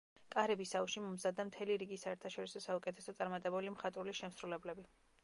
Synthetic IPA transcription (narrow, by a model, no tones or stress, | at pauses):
kʼaɾɛbisauʃimɔmzad̪amt̪ʰɛliɾiɡisaɛɾt̪ʰaʃɔɾisɔsaukʼɛt̪ʰɛsɔt̪sʼaɾmat̪ʼɛbulimχat̪ʼɾuliʃɛmsɾulɛblɛbi